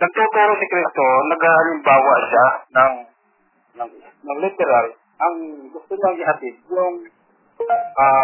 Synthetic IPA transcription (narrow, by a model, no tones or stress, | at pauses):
nɐɡ̚t̪uːt̪uːɾosɪkɾist̪onɐɡaʔalɪmbaːwaʔʃanaŋ | nɐŋ | nɐŋlɪt̪ɛɾal | ʔɐŋɡʊst̪ʊɲaŋɪɦat̪ɪd̪̚jʊŋ | ʔa